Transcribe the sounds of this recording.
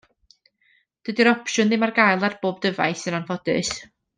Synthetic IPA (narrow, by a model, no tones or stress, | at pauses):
d̥əːdiɾɔpʃʊnðɨmarɡajlˠarb̥oːb̚dəva̰jθɨnanvɔdɨ̰s